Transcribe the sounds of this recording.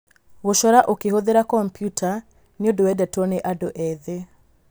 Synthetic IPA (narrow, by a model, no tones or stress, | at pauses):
ɣoʃɔɾaʔokeɦoðeɾakɔmpjutʰa | neodowɛdɛtɔneʔadoʔɛðe